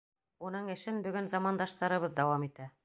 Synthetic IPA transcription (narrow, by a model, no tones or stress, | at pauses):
unɤɴɘ̆ʃɘnbɵ̆ɡɵnzɑmɑnd̪ɑʃt̪ɑɾɤ̆βɤðd̪ɑwɑmit̪æ